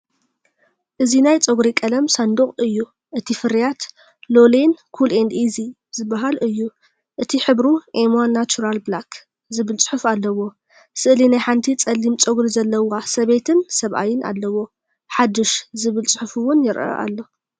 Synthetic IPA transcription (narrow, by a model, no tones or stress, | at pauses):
ʔɨzinajt͡sʼoɡɾikʼɐlɐmsand̪uχʼɨjːu | ʔɨt̪ʰifɨɾijat̪ | lo̞lenkʰulend̪izi | zɨbːaɦalɨjːu | ʔɨt̪ʰiħɨβɾuʔemonat͡ʃʰuɾalblakʰ | zɨβɨlt͡sʼɨ̥ħʊfalːɐwo̞ | sɨʔlinajħant̪ʰit͡sʼɐlːimt͡sʼoɡɾizɐlːɐwasɐβe̞t̪ʰɨnsɐβʔa̰jɪnʔa̰lːɐwo̞ | ħad̪ːɨʃzɨβɨlt͡sʼɨ̥ħʊfuwʊnjɪɾʔɐ̰ʔa̰lːo̞